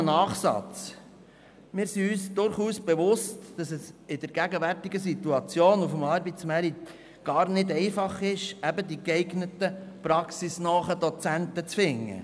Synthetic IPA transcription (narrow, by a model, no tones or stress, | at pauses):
nɑːχsɑ̰t͡s | mɪːɾsiyːsd̥ʊɾχuːsb̥ɛʋʊstd̥ɑsɛsɪd̥̪əɾɡ̥æɡəʋærtiɡəs̬it̪uɑt͡sjoːnufəmɑːɾbit͡smæɾit̪ | ɡ̥ɑːɾnɪdɛɪfɑχɪʃæbəd̪ikɛɪɡnətəpɾɑksisnɔːχəd̥̪ɔt͡sæntət͡sfɪŋːə̰